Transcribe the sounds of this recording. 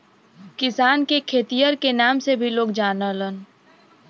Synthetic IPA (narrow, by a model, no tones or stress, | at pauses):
kɪsaːnkekʰeːt̪ijəɾkenaːmsebʱiloːɡd͡ʒaːnələn